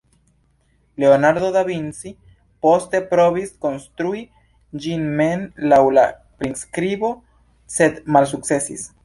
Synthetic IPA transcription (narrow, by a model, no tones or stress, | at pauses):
leonaɾðo̞ðaβinsi | po̞st̪e̞pɾoβisko̞nst̪ɾui | d͡ʒinmenlawla | pɾinskɾiβo̞ | sed̪malsuk̚se̞sḭs